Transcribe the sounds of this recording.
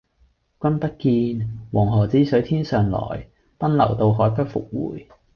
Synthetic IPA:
kʷɐ˥npɐ˥t̚kiː˧nwɔː˨˩ŋɦɔː˨˩t͡siː˨˥sɵ˨˥ɥt̪ʰiː˥nsœː˨˩ŋlɔ̰ː˨˩j | pɐ˥nlɐ˨˩wt̪o˧wɦɔː˨˥jpɐ˥t̚fʊ̰˨k̚wṵː˨˩j

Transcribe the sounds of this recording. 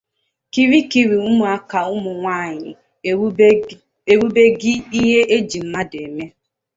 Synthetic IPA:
ki˨ɾi˦ki˨ɾi˨u˦mʊ˨a˦ka˨ʊ˦mʊ˨ŋʷa˦˨ɲɪ̰˨ | e˨ɾu˦be˦ɡɪ˦i˦ɦe˦ʔe˦d͡ʒi˨m̩˦ma˦de˨me˦

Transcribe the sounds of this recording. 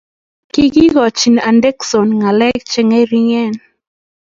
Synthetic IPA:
ki˦ɡi˦ɣɔ˨t͡ʃi˨na˨ndɛ˦kso˨nŋa˨lɛ˦kt͡ʃɛ˦ŋa˦ɾi˦ŋɛ˦˨n

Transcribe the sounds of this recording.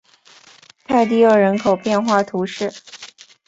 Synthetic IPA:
t̪ʰa˥˧ɪt̪i˥˧ə˞˥˩ɻə˧˥nkʰo˨˩ʊpjɛ˥˧nxwa˥˩t̪ʰu˧˥ʂɻ̩˥˩

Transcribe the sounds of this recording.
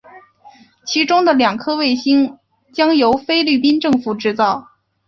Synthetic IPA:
t͡ɕʰi˧˥ʈ͡ʂʊ˥ŋd̪ə˨ljɑ˨˩ŋkʰɤ˥we˥˩ɪɕi˥ŋ | t͡ɕjɑ˥ŋjo˧˥ʊfe˥ɪly˥˩p̬i˥nʈ͡ʂɤ˥˧ŋfu˨˩ʈ͡ʂɻ̩˥˧t͡sɑ˥˩ʊ

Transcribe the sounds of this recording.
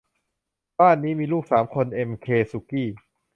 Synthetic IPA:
baː˥˩nːiː˦˥miː˧luː˥˩k̚saː˩˦mkʰo˧nʔe˧mkʰeː˧su˧˩kiː˥˩

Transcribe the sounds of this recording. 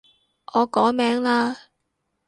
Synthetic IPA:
ʔɔː˨˧kɔː˨˥mɛː˨˥ŋlaː˧˥

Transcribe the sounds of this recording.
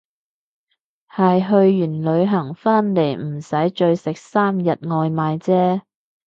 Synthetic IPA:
hɐ˨jɦɵ˧ɥːyː˨˩nlɵ˨˧ɥɦɐ˨˩ŋfaː˥nle˨˩jm̩˨˩sɐ˨˥jt͡ʃɵ˧ɥsɪ˨k̚saː˥mjɐ˨t̚ŋɔː˧jmaː˨˧jt͡sɛː˥

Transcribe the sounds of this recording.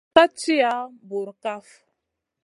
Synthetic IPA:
ka˦t͡ʃi˦ja˦bu˨ɾka˦f

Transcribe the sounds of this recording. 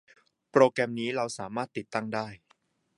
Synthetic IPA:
pɾoː˧kɾɛ˧mniː˦˥ɾa˧wsaː˩˦maː˥˩t̪ːi˨˩t̪ːa˥˩ŋdaː˥˩j

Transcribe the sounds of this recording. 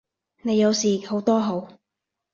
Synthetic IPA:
ne˨˧jɐ˨˧wsiː˨ho˨˥wt̪ɔː˥ɦo˨˥w

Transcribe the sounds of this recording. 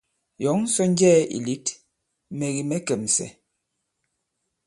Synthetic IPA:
jɔ˨˦ŋ˦sɔ˦n˦d͡ʒɛː˦˨ḭ˨li˦t | mɛ˨ɣi˨mɛ˦kɛ˨m˨sɛ̰˨

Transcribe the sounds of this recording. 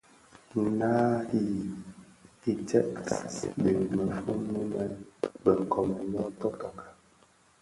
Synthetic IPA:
na˦i˦ | i˨tɛ˦ʔbe˨mə˨fu˦mu˦mɛ˦bə˨ŋ˨kɔ˨mə˨ɲɔ˦tɔ˦ka˨kḁ˨

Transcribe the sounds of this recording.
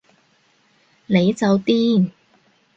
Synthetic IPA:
ne˨˧jt͡sɐ˨wt̪iː˥n

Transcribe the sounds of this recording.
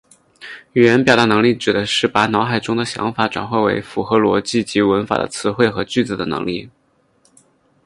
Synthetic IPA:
y˨˩jɛ˧˥npjɑ˨˩ɾa˥˩nɤ˧˥ŋli˥˩ʈ͡ʂɻ̩˨˩d̪ə˦ʂɻ̩˥˩pa˧˥nɑ˧˥ʊxa˨˩ɪʈ͡ʂʊ˥ŋd̪ə˨ɕjɑ̰˧˥ŋfa˧˩˥ʈ͡ʂwa̰˨˩nxwe˥˩ɪwḛ˧˥ɪfu˨˩xɤ˧˥lwɔ˧˥t͡ɕi˥˩t͡ɕi˧˥wə˧˥nfa̰˨˩d̪ə̰˦t͡sʰɹ̩˧˥xwe˥˩ɪxɤ˧˥t͡ɕy˥˩t͡sɹ̩˧˩d̪ə̰˩nɤ̰˧˥ŋlḭ˥˩

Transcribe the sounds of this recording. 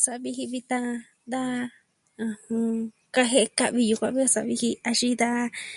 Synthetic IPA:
sa˧ʔβi˧hi˧βi˧t̪a˧ | nd̪ã˦˧ | hũ˧ | ka˧ɦe˦ʔka˧ʔβi˧ju˧kʷã˧˦βi˦ka˧sa˧βi˧hi˧a˧ʃi˦d̪a˦

